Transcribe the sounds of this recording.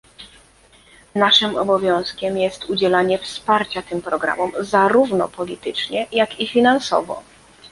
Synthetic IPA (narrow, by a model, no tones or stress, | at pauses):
naʂɘmɔ̰bɔvʲjɔ̃w̃skʲɛmjɛst̪ud͡ʑɛlaɲɛfspaɾt͡ɕat̪ɘmpɾɔɡɾa̰mɔmzaɾuvnɔ̰pɔlʲit̪ɘt͡ʂɲɛjakifʲinansɔ̰vɔ̰